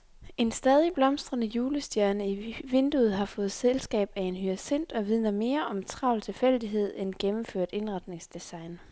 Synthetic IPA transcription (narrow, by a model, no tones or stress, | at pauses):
ʔe̝nsd̥ɛːð̞ˠib̥lɒ̽msd̥ʁɐnəjuːləsd̥jæɐnəiʋe̝nd̥uð̞̩ˠɦɑ̈fɔ̽ːð̞̩ˠselsɡ̥ɛ̰ːb̥æe̝nɦyʁasen̰d̥ɒ̽ʋið̞ˠnɐme̝ːɐʔɒ̽mt͡sʰʁɑ̈ʊlt͡sʰe̝lfel̰d̥iɦe̝ð̞̰ˠenɡ̥emm̩fø̰ɐ̰d̥e̝nʁɑ̈d̥ne̝ŋsd̥isɑ̈ɪn